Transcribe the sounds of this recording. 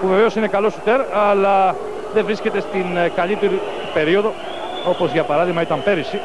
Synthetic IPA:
puve̞ve̞o̞sine̞kɐlo̞sut̪e̞ɾɐlɐ | ðe̞vɾisce̞t̪e̞st̪inkɐʎit̪eɾi | upe̞ɾio̞ðo̞ | o̞po̞zʝɐpɐɾɐðiɣmɐit̪ɐmpe̞ɾisi

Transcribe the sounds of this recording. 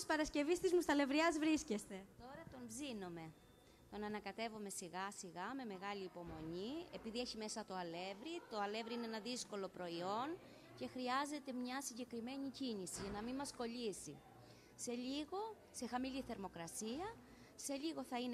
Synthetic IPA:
spɐɾɐsce̞vist̪izmust̪ɐle̞vɾiɐzvɾisce̞st̪e̞t̪o̞ɾɐt̪o̞mbzino̞me̞ | t̪o̞nɐnɐkɐt̪e̞vome̞siɣɐsiɣɐme̞me̞ɣɐliːpo̞mo̞ɲie̞piðieçime̞sɐt̪o̞ɐle̞vɾit̪o̞ɐle̞vɾiineenɐðisko̞lo̞pɾo̞io̞n | ce̞xɾiɐze̞t̪e̞mɲɐsiɲɟe̞kɾime̞ɲicinisiʝɐnɐminmɐsko̞ʎisi | se̞ʎiɣo̞ | se̞xɐmiliθe̞ɾmo̞kɾɐsiɐ | se̞ʎiɣo̞θɐin

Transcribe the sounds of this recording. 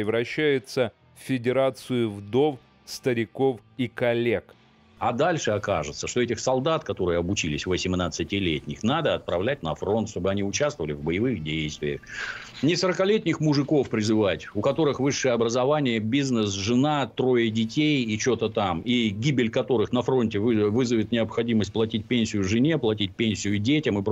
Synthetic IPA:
ɾʲɪvɾɐɕːæjʊt̪sə | ffʲɪdʲɪɾat̪sɨjʊvd̪o̞f | st̪əɾʲɪko̞fikɐlʲek | ɐd̪alʲʂɨɐkaʐɨt̪səʂt̪oɛtʲɪxsɐlˠd̪at̪kɐt̪o̞ɾɨjəɐbʊt͡ɕilʲɪsʲvəsʲɪmnat̪sɨtʲɪlʲetʲnʲɪxnad̪əɐt̪̚pɾɐvlʲæt̚ʲnɐfro̞nt̪ʂt̪o̞bɨɐnʲiʊt͡ɕast̪vəvəlʲɪvbəjɪvɨxdʲejst̪vʲɪjə̰xnʲɪsəɾəkɐlʲetʲnʲɪxmʊʐɨko̞fpɾʲɪzɨvatʲʊkɐt̪o̞ɾɨxvɨʂːɨjəɐbɾəzɐvanʲɪjəbʲiznəsʐɨnat̪ɾo̞jədʲɪtʲejit͡ɕot̪ət̪amiɡʲibʲɪlʲkɐt̪o̞ɾɨxnɐfɾo̞nʲtʲɪvɨvɨzəvʲɪt̪nʲɪəpxɐdʲiməsʲt̚ʲplˠɐtʲit̚ʲpʲenʲsʲɪjʊʐɨnʲeplˠɐtʲit̚ʲpʲenʲsʲɪjʊdʲetʲəmɨp

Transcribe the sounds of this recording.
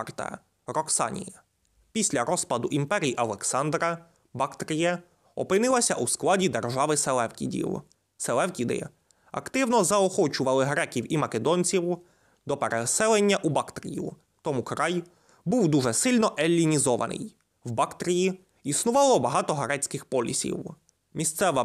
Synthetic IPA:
rt̪ɐ̰ | ɾɔksɑ̰nʲḭjɐ | pʲisʲlʲɐɾɔspɐd̪ʊʔimpɛɾʲijiʔɐlˠeksɑnd̪ɾɐ | bɑkt̪ɾʲijɛ | ɔ̰pɪnɪlˠɐsʲɐʔusklˠɑdʲid̪erʒɑʋɪselˠɛwkʲḭdʲḭw | selˠɛwkʲid̪ɪ̰ | ɐ̰kt̪ɪwnɔzɐɔxɔt͡ʃʊʋɐlˠɪɦɾɛkʲiwimɐked̪ɔnʲt͡sʲiw | d̪ɔpeɾesɛlˠenʲːɐʔubɑkt̪ɾʲḭjʊ̰ | t̪ɔmukɾɑj | buwd̪uʒɛsɪlʲnɔʔelʲːinʲizɔʋɐ̰nɪ̰j | wbɑkt̪ɾʲiji | isnʊʋɑlˠɔbɐɦɑt̪ɔɦɾɛt͡sʲkɪxpɔlʲḭsʲḭw | mʲist̪sɛʋɐ

